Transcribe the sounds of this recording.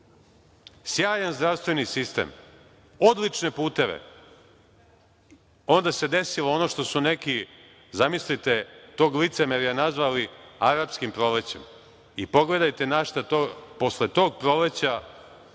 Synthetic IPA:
sjaːjanzd̪ɾaʋst̪ʋe̞nisist̪ḛm | o̞d̪lit͡ʃne̞puːt̪e̞ʋḛ | o̞nd̪ase̞d̪e̞siloonoʃt̪o̞sune̞ki | zamislit̪et̪o̞ːɡlit̪semeɾjenazʋaliaɾapskimpɾo̞let͡ɕḛm | ipo̞ɡle̞d̪ajt̪e̞naʃt̪at̪opo̞slet̪o̞ːɡ̚pɾo̞let͡ɕa

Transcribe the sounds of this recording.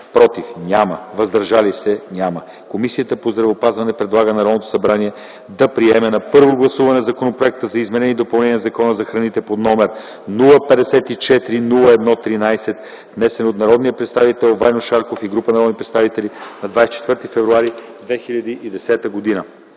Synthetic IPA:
pɾɔt̪ifnʲamə̰vɐzd̪ɐɾʒalisɛnʲamə | komisijət̪əpozd̪ɾɐvɛopazvɐnɛpɾɛd̪lˠaɡənɐɾɔd̪not̪o̥sɐbɾaniɛ | d̪ɐpɾiɛmɛnɐpɤɾvoɡlˠɐsuvɐnɛzɐkonopɾoɛk̚t̪əzɐizmɛɾɛnid̪opɐlˠnɛniɛnzɐkɔnəzɐxɾɐnit̪ɛpod̪nɔmɛɾ | nulˠəpɛd̪ɛsɛt̪it͡ʃɛt̪ɾinulˠəɛd̪nɔt̪ɾinajsɛt̪ | vnɛsɛnot̪nɐɾɔd̪nijəpɾɛt̪st̪avit̪ɛlˠvajnoʃaɾkofiɡɾupənɐɾɔd̪nipɾɛt̪st̪avit̪ɛlinɐd̪vajsɛt͡ʃɛt̪vɤɾt̪ifɛvɾuaɾid̪vɛxiʎʲɐd̪iʔid̪ɛsɛt̪əɡod̪inə

